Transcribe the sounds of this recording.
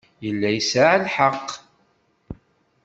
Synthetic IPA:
jəlːæjsaʕlħəqː

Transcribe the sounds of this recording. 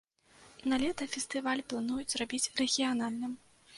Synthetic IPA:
nalʲɛt̪ɐfʲɛst̪ɨvalʲplˠan̪ujud͡zʲzrabʲit͡sʲrɛɣʲijanalʲnɨm

